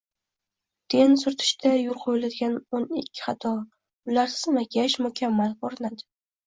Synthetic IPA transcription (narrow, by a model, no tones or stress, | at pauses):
t̪ʰe̞nsʊɾt̪ʰɪ̥ʃt̪ʰajʊlˠqʰojɪlad̪ɪɡʲanonɪkʲʰːɪ̥χɑt̪ʰɒ | ʊlaɾsɪ̥zmakʲʰaʃmʊkʲʰamːalboɾɪnad̪ɪ̥